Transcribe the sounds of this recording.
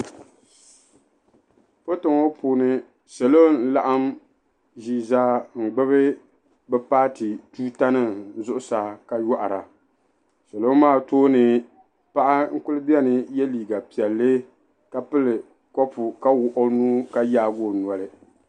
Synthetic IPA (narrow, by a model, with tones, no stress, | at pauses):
po˦tɨ˨ŋo˦puː˨nɨ˦ | sɛ˨lo˦n̩˦la˦ʔa˦m | ʒi˨za˦ŋ̩˨ɡ͡bɨ˦βɨ˦ | bɛ˦paː˦tɨ˨tuː˦ta˦nɨ˦zʊ˦ʔʊ˦sa˨ka˨ja˦ʔa˨ɾa˨ | sɛ˨lo˦maː˦˨toː˦nɨ˨ | pa˦ʔa˦ŋ̩˦kʊ˦lɨ˦bi˦ɛ˦nɨ˨jɛ˦liː˨ɡa˨pi˨ɛ˨lːɨ˦ | ka˦pɨ˦lɨ˨ | kɔ˦pʊ˨ka˦wʊ˨ʔʊ˦nuː˦ka˦jaː˦ɡo˦˨n˨ɔ˨lɨ˦